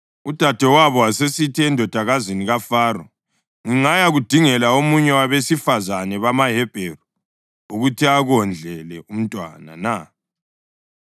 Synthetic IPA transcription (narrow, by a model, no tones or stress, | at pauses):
ud̥ʱad̥ʱɛwaβɔwasesitʰiɛndʱɔd̥ʱaɣaziniɣafaːɾɔ | ŋiŋajaɣud̥ʱiŋɛlaomuɲɛwaβesifazanɛβamaɦɛb̥ʱeru | uɣutʰiaɣɔnd͡ɮʱɛlɛʔum̩tʼwa̰na̰na